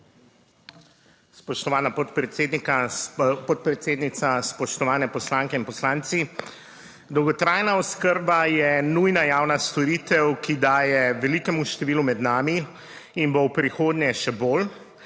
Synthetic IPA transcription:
spɔʃt̪ɔʋaːnapɔt̪pɾɛt̪seːd̪nikapɔt̪̚pɾɛt̪seːd̪nit̪saspɔʃt̪ɔʋaːnɛpɔslaːŋkɛinpɔslaːnt̪si | d̪ɔwɡɔt̪ɾaːjnaɔskəɾbajɛnujnajaːwnast̪ɔɾiːt̪ɛwkid̪aːjɛʋɛliːkɛmuʃt̪ɛʋiːlumɛd̪naːmi | inbowpɾixoːd̪nʲɛʃɛboːl

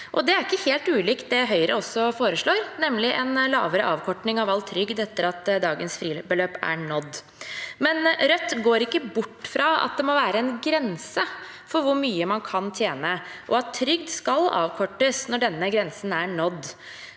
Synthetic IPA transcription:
ʔɔd̪ɛæɾɪkːəheːlt̪ʉːliːkt̪̚d̪ɛɦœʏɾəɔsːɔfoːɾəʂɭoːɾnɛmːlɪʔɛnlɑ̰ːʋəɾəʔɑːʋkʰɔʈɳɪŋɑʋɑlt̪ʰːɾʏɡd̪ɛt̪ːəɾɑt̪d̪ɑːɡənsfɾiːbəløːpæ̰ɳɔd̪ː | mɛnɾœt̪ːɡoːɾɪkːəbʊʈːfɾɑɑ̰t̪̚d̪ɛmɔʋæːɾəɛnɡɾɛnsə | fɔɾʋʊɾmyːəmɑnkʰɑnt̪ʰjeːnəʔɔɑt̪ʰːɾʏɡd̪skɑlɑ̰ːʋkʰɔʈːəsnɔɖɛnːəɡɾɛnsənæɳɔd̪

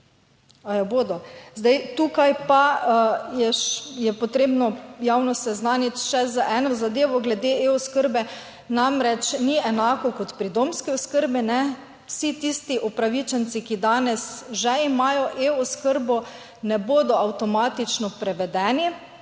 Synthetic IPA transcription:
ajɔboːd̪ɔzd̪ajt̪ukajpa | jɛʃjɛpɔt̪ɾeːbnɔjawnɔsɛznanit̪ʃɛzaʔɛːnɔzad̪eːʋɔɡlɛd̪eʔeɔskəɾbɛ | namɾɛt͡ʃniɛnaːkɔkɔt̪pɾid̪omskiɔskəɾbinɛ | wsit̪ist̪iʔɔpɾaʋit͡ʃɛnt̪sikid̪aːnɛsʒɛimaːjɔʔeɔskəɾbɔ | nɛboːd̪ɔawt̪ɔmaːt̪it͡ʃnɔpɾɛʋɛd̪ɛːni

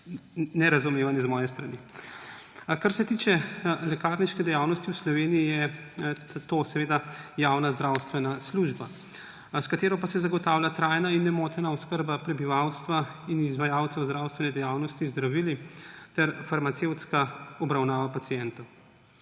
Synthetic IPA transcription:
nɛɾazumeːʋanɛzmɔːjɛst̪ɾani | kaɾsɛt̪iːt͡ʃɛlɛkaɾniʃkɛd̪ɛjaːwnɔst̪iwslɔʋeːnijijɛ | t̪osɛʋeːd̪ajawnazd̪ɾawst̪ʋɛnasluʒba | skat̪eːɾɔpasɛzaɡɔt̪aːwlʲjat̪ɾajnainːɛmoːt̪ɛnaɔskəɾbapɾɛbiʋawst̪ʋainizʋajaːwt̪sɛwzd̪ɾawst̪ʋɛnɛd̪ɛjaːwnɔst̪izd̪ɾaʋiːlit̪ɛɾfaɾmat̪sewt̪skaɔbɾawnaːʋapatsijɛnt̪ɔw

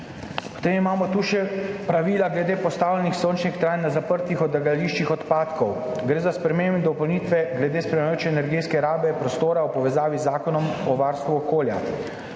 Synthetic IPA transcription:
pɔ̥t̪eːmimaːmɔt̪uːʃɛpɾaʋiːlaɡlɛd̪eːpɔst̪aːwlʲɛnixsoːnt͡ʃnikt̪ɾaːjnːazapəɾt̪ixɔd̪ɛɡaliːʃt͡ʃixɔt̪paːt̪kɔw | ɡɾeːzaspɾɛmeːmbd̪ɔpɔwniːt̪ʋɛɡlɛd̪eːspɾɛmɛjoːt͡ʃɛːnɛɾɡeskɛɾaːbɛpɾɔst̪oːɾaɔpɔʋɛzaːʋizaːkɔnɔmɔʋaːɾst̪ʋuɔkoːlja̰

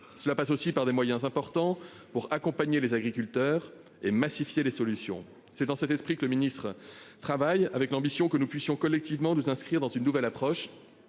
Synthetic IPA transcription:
səlapasosipaʁd̪emwajɛ̃zɛ̃pɔʁt̪ɑ̃ | puʁakɔ̃paɲelezaɡʁikʲylt̪œːʁ | emasifjelesɔlysjɔ̰̃ | sɛd̪ɑ̃sɛt̪ɛspχikələminist̪χət̪χavajavɛklɑ̃bisjɔ̃kənupɥisjɔ̃kɔlːɛk̚t̪ivmɑ̃nuzɛ̃skχiʁd̪ɑ̃zynːuvɛlapχɔʃ

